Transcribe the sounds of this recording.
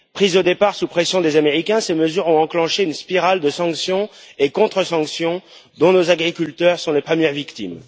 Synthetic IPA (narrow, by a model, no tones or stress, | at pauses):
pχizod̪epaʁsupχesjɔ̃d̪ezameʁikʲɛ̃seməzyʁɔ̃ɑ̃klɑ̃ʃeynspiʁald̪əsɑ̃ksjɔ̃ekɔ̃t̪χəsɑ̃ksjɔ̃ | d̪ɔ̃nozaɡʁikʲylt̪œʁsɔ̃lepχəmjɛʁvikt̪ḭm